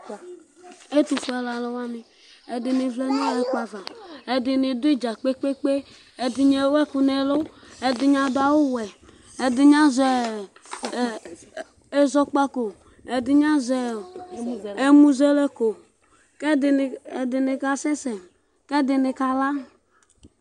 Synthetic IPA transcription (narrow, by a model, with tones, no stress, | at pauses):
e˦t̪u˨fu˦a˨la˨lɔ˦wa˦nɪ˨ | ɛ˨dɪ˨nɪ˨vlɛ˦nõ˦le˦k͡pa˨va˨ɛ˨dɪ˨ne˨d̪ʊ˦e˦d͡ʒa˨k͡pe˦k͡pe˦k͡pe˦ | ɛ˨dɪ˨ɲɛ˨˦wɛ˦ku˨nɛ˨lo˦ | ɛ˨dɪ˨ɲã˨do˦a˨wo˦wɛ˨ | ɛ˨dɪ˨ɲã˦zɛ˨ | e˦zɔ˦k͡pa˦ko˨ | ɛ˨d̪ɪ˨ɲã˦zɛ˨ | e˦mũ˦zɛ˦le˦ko˨ | kɛ˦dɪ˨e˨dɪ˨nɪ˨ka˦sɛ˦sɛ˨m | kɛ˦d̪ɪ˨ne˨ka˦la˦